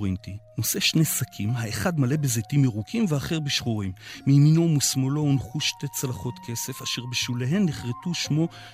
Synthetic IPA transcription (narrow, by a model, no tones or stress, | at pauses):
intino̞se̞ʃnejsakʰimhaeχadmale̞bezetimiʁukʰimveaχe̞ʁbeʃχoʁimːiminumusmoloːnχuʃte̞t͡salaχo̞t̪kʰe̞se̞faʃeʁbeʃwileɦe̞nːeχʁetuʃmo̞